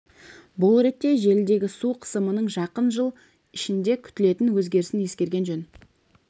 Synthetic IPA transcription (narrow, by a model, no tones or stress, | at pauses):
bʊlˠɾe̞t̪ːe̞ʒe̞ld̪e̞ɡʲɪsuqʰə̥səmənəɴʒɑqənʒəlˠ | ɪʃɪnd̪e̞kʲʰʏ̥t̪ɪle̞t̪ɪnwɵzɡʲe̞ɾɪsɪnje̞skʲe̞ɾɡʲe̞nʒɵn